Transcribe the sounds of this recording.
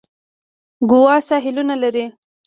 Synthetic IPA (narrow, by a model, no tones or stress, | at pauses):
ɡʊwɑsɑɦɪlunalaɾi